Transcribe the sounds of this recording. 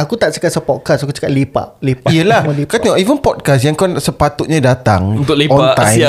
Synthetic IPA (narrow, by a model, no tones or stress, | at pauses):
akut̪aʔ̚t͡ʃə̥kat̪̚səpɔt̚kasakut͡ʃə̥kaʔlepa̰ʔlepaijəlaməlikat̪naivənpɔt̚kasjaŋkanaʔsəpat̪ut̪̚ɲãdat̪a̰ŋunt̪ʊkleɔ̃nãj